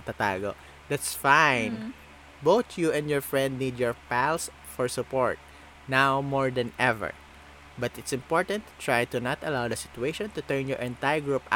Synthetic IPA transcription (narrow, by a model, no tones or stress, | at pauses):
t̪at̪a̰ːɡo | d̪æt̪sfãjn | bowt̪ʰjuɛ̃nd̪jɔɹfɹɛ̃nd̪̚nid̪jɔɹpæls | fɔɹsʊpɔɹt̪̚ | nawmɔɹd̪ɛ̃nɛvɛ̰ɹ | bɐt̪ɪt̪sɪ̃mpɔɹt̪ɐ̃nt̪ːt̪ɹajt̪ʊnat̪ɐlawd̪ɐsɪ̥t̪ʊeɪʃɔ̃nt̪ʊt̪ɛɹnjɔɹʔɛ̃nt̪ajɹɡɹup